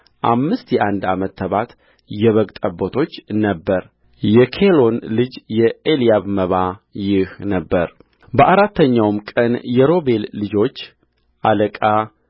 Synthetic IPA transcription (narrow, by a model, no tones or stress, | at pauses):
ʔamːɨst̪jɛʔand̪amət̪ːəβat̪ | jɛβəɡt̪ʼəbot̪ʰo̞t͡ʃːnəbːəɾ | jɛkʰelo̞nlɨd͡ʒjɛelijaβməβajɪhnəbːəɾ | bəʔaɾat̪ːəɲːawmkʼənjɛɾo̞βe̞lːɨd͡ʒo̞t͡ʃː | ʔaləkʼa